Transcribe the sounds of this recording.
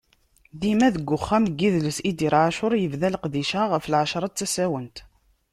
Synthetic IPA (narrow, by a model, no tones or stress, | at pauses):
ðimæðəɡːʊχːæmɡːiðləsid̪iɾʕaʃʊɾˤjəvðælqðiʃaʁəfəlʕaʃɾˤɑt̪t͡sːæsæwənt̪